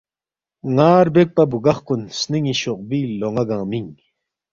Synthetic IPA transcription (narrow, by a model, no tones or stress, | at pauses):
ŋaːɾbek̚pɐbuɡɐχkunsniŋiɕoq̚biːloŋɐɡãːmiŋ